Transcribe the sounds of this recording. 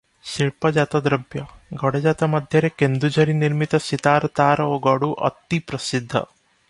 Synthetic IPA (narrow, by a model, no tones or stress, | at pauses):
ʃiɭpɐd͡ʒaːt̪ɐd̪ɾɐbjɐɡɐɽed͡ʒat̪ɐmɐd̪ʱjɐɾekend̪ud͡ʒɐɾiniɾmit̪ɐsit̪aːɾt̪aːɾoɡɐɽuʔɐ̰t̪ːipɾɐsid̪ʱːɐ̰